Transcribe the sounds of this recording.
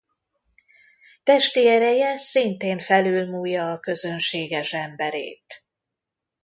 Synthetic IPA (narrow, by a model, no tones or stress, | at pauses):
t̪ɛʃt̪iɛɾɛjɛsint̪eːɱfɛlyːlmuːjːɒːkø̞zø̞nʃeːɡɛʃɛmbɛɾḛːt̪